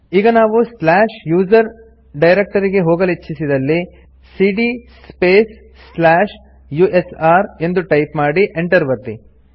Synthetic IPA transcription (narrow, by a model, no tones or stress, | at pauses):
iːɡɐnaːʋuslaːʃjuːd͡ʒɐɾ | ɖɐjɾek̚ʈɐɾiɡe̞ɦoːɡɐlit͡ʃːisid̪ɐlːi | siːɖi | speːsː | laːʃ | juːʔesaːɾe̞nd̪uʈɐjpmaːɽiʔeɳʈɐɾʋɐɾt̪ḭ